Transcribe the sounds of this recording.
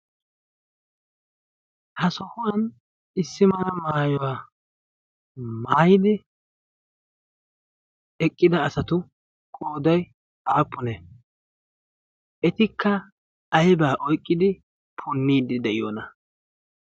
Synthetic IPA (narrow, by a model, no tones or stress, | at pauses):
hɐsɔhʊwɐn | ɪsːɪmɐnɐmaːjɔwaː | maːjɪd̪ɪ | ɛkʼːɪd̪ɐːsɐt̪ʊ | kʼoːd̪ɐj | aːpːʊnɛ | ɛt̪ɪkʰːɐː | jbaːʔɔjkʼːɪd̪ɪ | pʰʊnːiːd̪ɪd̪ɛʔɪjoːnɐ